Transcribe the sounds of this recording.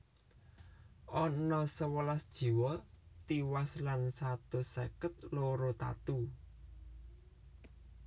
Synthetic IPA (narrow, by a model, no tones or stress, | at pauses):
ʔɔnɔsəwəlasd̥ʒ̥i̤wɔt̪iwaslansat̪osəkət̪̚loɾot̪a̰t̪u